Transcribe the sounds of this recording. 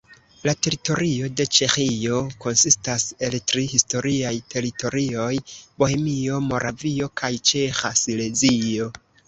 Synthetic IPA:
late̞ɾito̞ɾio̞de̞t͡ʃe̞xio̞ko̞nsistase̞ltɾihisto̞ɾiajtʰe̞ɾito̞ɾio̞jbo̞he̞mio̞mo̞ɾʔavio̞kʰajt͡ʃe̞xasile̞zio̞

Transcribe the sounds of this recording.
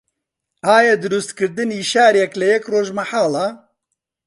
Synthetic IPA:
aːjɛd̪ɨɾust̪kɨɾd̪ɨniːʃaːɾjɛklɐjɛkroːʒmɐħaːlɑː

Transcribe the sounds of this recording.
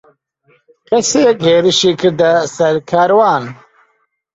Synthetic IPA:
kɐseɡʱeːɾiɕikd̪ɐsɐɾkʰaːɾwaːn

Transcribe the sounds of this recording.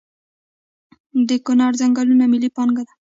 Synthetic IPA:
d̪əkʊnɑɾzaŋɡɑlunamilipɑŋɡad̪a

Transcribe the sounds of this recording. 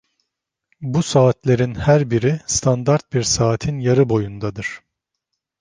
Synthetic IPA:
busaːt̪lʲe̞ɾinhæɾbiɾist̪ʰand̪aɾt̪̚biɾsaːt̪ʰinjaɾɯbo̞jund̪ad̪ɯɾ̥

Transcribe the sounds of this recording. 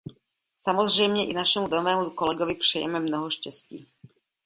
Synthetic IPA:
samozr̝ɛjmɲɛʔɪnaʃɛmudoovɛːmukolɛɡovɪpr̝̥ɛjɛ̰mɛmnoɦoʃcɛscḭː

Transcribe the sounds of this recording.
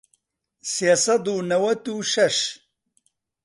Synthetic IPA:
sjasɐd̪unɐwɐt̪uɕɐʂ

